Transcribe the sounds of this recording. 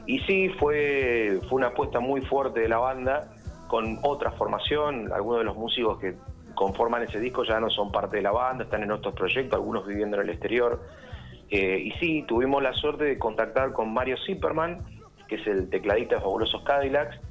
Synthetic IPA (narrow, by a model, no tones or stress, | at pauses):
isifwefweunaːpwest̪amujfweɾt̪eðelaβand̪a | ko̞no̞t̪ɾafo̞ɾmʔasjo̞na̰lɣunozðelozmusikoske | ko̞ɱfo̞ɾmanese̞ð̞ihko̞ʒano̞so̞mpaɾt̪eðelaβand̪aest̪anenot̪ɾopɾo̞ʒek̚t̪osalɣunozβiβjend̪onelekst̪eɾjoɾ | eisit̪uβimo̞zlasweɾt̪eðeko̞nt̪ak̚t̪aɾko̞nmaɾjo̞sipeɾmãŋ | keeselt̪eklað̞iht̪aðefaβulo̞so̞hkaðilaks